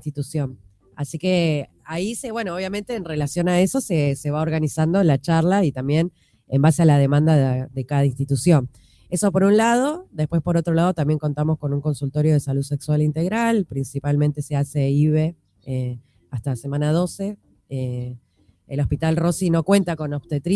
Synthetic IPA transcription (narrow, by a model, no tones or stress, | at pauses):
st̪it̪usjo̞n | asike̞ | aiseβwe̞nooβ̞jamẽ̞nt̪e̞ːnre̞lasjo̞nae̞so̞sese̞βao̞ɾɣanisand̪olat͡ʃaɾlait̪ambjen | embasealað̞e̞mãnd̪aðekaðainst̪it̪usjo̞n | e̞so̞po̞ɾunlað̞od̪e̞spwespo̞ɾo̞t̪ɾo̞lað̞o̞t̪ambje̞ŋko̞nt̪amo̞sko̞nuŋko̞nsult̪o̞ɾjoð̞e̞saluðse̞kswalint̪e̞ɣɾalpɾinsipalmẽnt̪e̞seaseiβe | e | ast̪ase̞mãnað̞o̞se̞ | eː | lo̞spit̪alro̞sino̞kwe̞nt̪ako̞nowt̪et̪ɾ